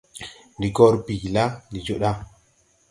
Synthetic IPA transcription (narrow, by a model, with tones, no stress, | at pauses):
ndi˨ɡo˦ɾbi˨la˦ni˨d͡ʒo˦ɗa˦